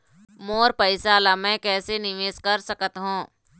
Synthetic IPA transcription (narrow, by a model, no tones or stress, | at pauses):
moːɾpəɪsalamɛ̃ːkɛːsenɪʋeːskɐɾsəkət̪ɦũː